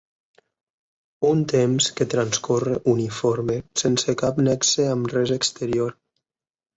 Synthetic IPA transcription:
unt̪emsket̪ɾanskoreʔunifoɾmesensekapnɛkseəmrɛzəkst̪əɾioɾ

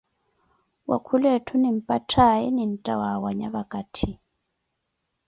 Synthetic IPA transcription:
wa̰kʰulɛtʰunim̩pʼatʰajɛnin̩tʼawawaɲaβakʼatʰi

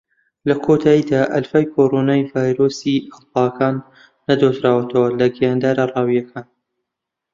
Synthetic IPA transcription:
lɐkʰot̪ʰaːjid̪aːʔɐlfaːjkʰoɾonaːjvaːjɾoːsiɐlpɑkaːnː | ɐd̪ot̪ɾaːwɐt̪ʰɐwɐlɐɡijaːnd̪aːɾarˤɑːwijɐkʰaːn

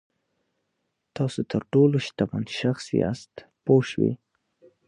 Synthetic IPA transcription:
t̪ɑsot̪ʰəɾʈoloʃt̪aba̰nʃaxsḭɑ̰st̪poʃwḭ

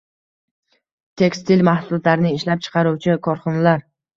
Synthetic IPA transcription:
t̪ʰe̞kst̪ʰilmahsʊlat̪laɾɪnɪɪʃlap̚t͡ʃʰɨ̥qʰɑɾuwt͡ʃʰɪkʰɒɾχɒnalaɾ

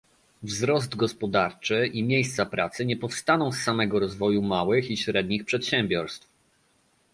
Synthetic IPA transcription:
vzɾɔs̬d̪ɡɔspɔd̪aɾt͡ʂɘʔimʲjejst̪sapɾat̪sɘɲɛpɔfst̪anɔ̃w̃sːamɛɡɔɾɔzvɔjumawɘxiɕɾɛd̪̚ɲixpʂɛt̪ɕɛmbʲjɔɾst̪f

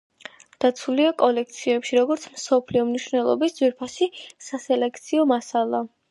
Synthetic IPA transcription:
d̪̥at̪sʰuliakʼɔlɛk̚ʰt̪sʰiɛpʃiɾɔɡɔɾt̪sʰmsɔpʰliɔmniʃwvnɛlˠɔ̰bisd̪z̥wiɾpʰasisasɛlɛkʰt̪sʰiɔmasalˠa

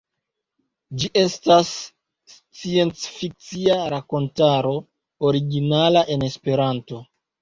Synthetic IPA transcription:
d͡ʒiʔe̞stas | s | t͡sie̞nt͡sfik̚t͡siaɾako̞ntaɾo̞ | oɾiɡinalaʔe̞ne̞spe̞ɾanto̞

